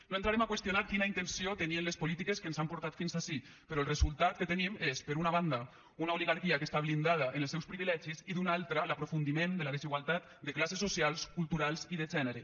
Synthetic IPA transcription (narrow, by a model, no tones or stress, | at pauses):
noent̪ɾaɾemakwest̪jonaɾkinaint̪ensiot̪əniənlespolit̪ikeskənzampuɾt̪at̪finzasi | pəɾɔlrezulˠt̪at̪̚kət̪ənimespəɾunaβand̪a | unaoliɣaɾkiakəst̪aβlind̪að̞aʔenəlˠsɛwspɾiβilɛʒiziðunalˠt̪ɾəlapɾofund̪imend̪əlaðeziɣwalˠt̪at̪̚d̪əklasesːosialˠskulˠt̪uɾalˠziðəʒɛnəɾə